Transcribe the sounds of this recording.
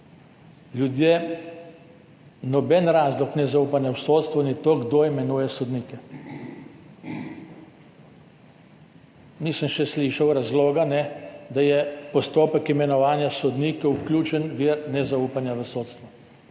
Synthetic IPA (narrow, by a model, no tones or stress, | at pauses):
ljud̪jeː | nɔbɛnɾaːzlɔknɛzaupanjawsoːt̪st̪ʋunit̪oːɡd̪oimɛnuːjɛsɔd̪niːkɛ | nisəmʃɛsliːʃawɾazloːɡanɛd̪ajɛpɔst̪oːpəkimɛnɔʋaːnjasɔd̪niːkɛwklʲjuːt͡ʃənʋiɾnɛzauːpanjaʋəsoːt̪st̪ʋu